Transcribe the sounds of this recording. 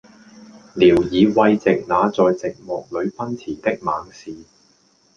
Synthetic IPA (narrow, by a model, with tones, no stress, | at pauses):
liː˨˩wjiː˨˧wɐ˧jt͡sɪ˨k̚naː˨˧t͡sɔː˨jt͡sɪ˨k̚mɔː˨k̚lɵ˨˧ɥpɐ˥nt͡sʰiː˨˩t̪ɪ˥k̚maː˨˧ŋsiː˨